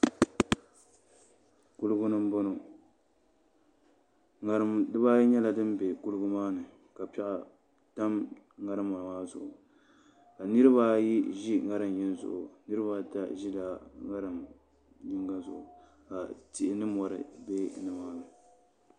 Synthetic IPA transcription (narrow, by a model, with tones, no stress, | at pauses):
ku˦lɨ˦ɡʊ˦nɨ˦m˦bo˦no˨ | ŋa˨ɾɨ˦mdɨ˦ba˦jɲɛ˦la˨dɨ˦mbe˨ku˦lɨ˦ɡʊ˦maː˦nɨ˨ | ka˨pɛ˦ʔa˨ | ta˦m | ŋa˦ɾɨ˦ma˨maː˦zʊ̰˨ʔʊ˨ | ka˨nɨ˦ɾɨ˦βa˦ji˦ʒi˦ŋa˦ɾɨ˨mji˦n˦zʊ̰˨ʔʊ˨nɨ˦ɾɨ˦ba˦ta̰˦ʒi˦la˨ŋa˦ɾɨ˨m | ɲɪ˦ŋɡa˦zʊ̰˨ʔʊ˨ | ka˨ti˨ʔɪ˨nɨ˦mɔ˨ɾɨ̰˨be˦nɨ˨maː˦nɨ˨